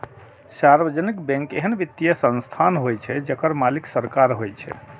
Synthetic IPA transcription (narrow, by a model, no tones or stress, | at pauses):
saɾbəd͡ʒənikbɛ̃ŋkeɦənbit̪ːjəsə̃nst̪ʰanɦojt͡ʃʰɛd͡ʒəkəɾmaliksəɾkaɾɦojt͡ʃʰɛ̰